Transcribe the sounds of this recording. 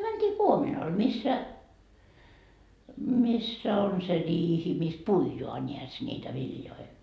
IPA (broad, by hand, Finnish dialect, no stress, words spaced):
mæntiː kuominɑl misːæ misːæ on se riːhi mis puijoɑ nʲiæs nʲiːtæ ʋiljoi